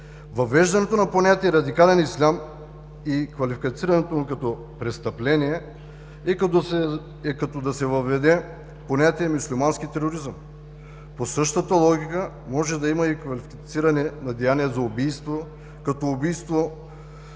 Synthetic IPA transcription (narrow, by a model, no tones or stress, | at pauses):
vɐvɛʒd̪ɐnɛt̪onɐponʲat̪ʲiɛɾɐd̪ikalɛnislʲam | ikvɐlifikɐt̪siɾɐnɛt̪omukɐt̪ɔ | pɾɛst̪ɐplɛniɛ | ɛkɐt̪ɔd̪ɐsɛvɐvɛd̪ɛ | ponʲat̪ʲiɛmuslʲimanskit̪ɛɾoɾizəm | posɤʃt̪ət̪ɐlˠɔɡʲikə | mɔʒɛd̪ɐimɐikvɐlifikt̪siɾɐnɛnɐd̪ɛjaniɛzɐobijst̪vo | kɐt̪ɔːbijst̪vo